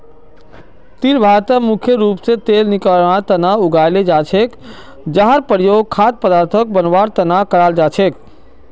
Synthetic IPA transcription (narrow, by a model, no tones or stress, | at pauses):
t̪iɾbʱaɾt̪əmukʰjəɾuːpset̪eːlnikəɽ̃aɾt̪ənauɡajled͡ʒat͡ʃʰek | d͡ʒaɦəɾpəɾjoːɡ̚kʰat̪̚pəd̪aːɾt̪ʰək̚bənʋaɾt̪ənakəɾaːld͡ʒat͡ʃʰek